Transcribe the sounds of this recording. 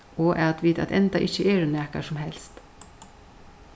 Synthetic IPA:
oːʔɛɑt̪ʋiːt̪ʰɑ̰t̪ʰɛ̰nd̪ɑ̰ʔɪçəʔeːɾʉnæːka̰ʂɔmhɛlst̪

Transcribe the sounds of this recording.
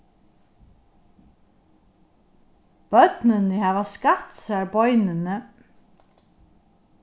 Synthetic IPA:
b̥œt̪nɪnəhæːʋaskat̪sæɾbɔʏnɪnə

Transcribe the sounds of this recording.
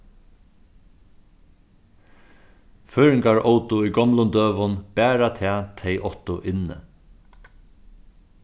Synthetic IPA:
føːɹɪŋkaɹɔwt̪ʊujɡɔmlʊnd̪øːʋʊnb̥æːɾat̪ʰɛːt̪ʰɛjʔɔht̪ʊʔɪnːɪ̰

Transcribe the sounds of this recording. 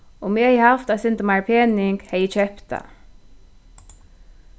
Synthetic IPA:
ʊmiɛjhɐft̪ɐsɪnt̪maɾpʰɛnɪŋɡhɛjɪt͡ʃɛpt̪ɐ̰

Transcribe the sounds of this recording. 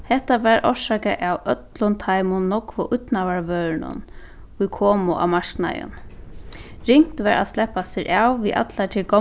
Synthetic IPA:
hɛht̪aʋɛːɾʔɔʂaːkaʔawœt̪lʊnt̪ʰajmʊnːɔkvʊʔʊt̪naʋaɹvœːɾɪnʊ̰n | ʊjkʰɔːmʊʔa̰wmaʂkna̰jə̰n | ɾɪŋ̥t̪ʋɛːɾa̰slɛhpːasɪɾʔaːwviʔa̰t̪lat̪ʰɪlkɔ

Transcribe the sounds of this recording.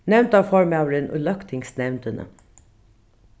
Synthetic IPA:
nɛʋnt̪ɑːʋfɔɹmɑʋɾənʔʉ̰lœkt̪ʰɪŋsnɛʋnt̪ənə̰

